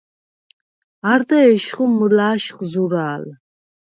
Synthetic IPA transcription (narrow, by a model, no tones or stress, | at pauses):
aɾd̪aɛʃχuməlaːʃχzuɾaːl